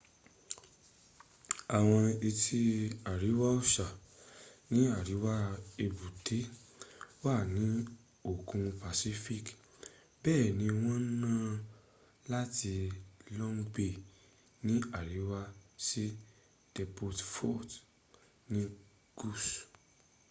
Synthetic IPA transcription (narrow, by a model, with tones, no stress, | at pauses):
a˨w̃ɔ̃˧i˧tʰi˦a˨ɾi˨˦wa˦o˦˨ʃa˨ | nĩ˨˦a˦˨ɾi˨˦wa˦e˧bu˨tʰe˨˦ | wa˦˨nĩ˨˦ | o˦˨kũ˧pa˨si˦fi˦˨k | bɛː˦˨nĩ˨˧˦w̃ɔ̃˦nãː˦˨ | la˦ti˧lɔ̃˦n˦ɡ͡be˦˨ | nĩ˦a˨ɾi˨˦wa˦si˦ | d̥ɛ˧po˧tfɔ˦˨t | nĩ˦ | ɡ̥u˦˨s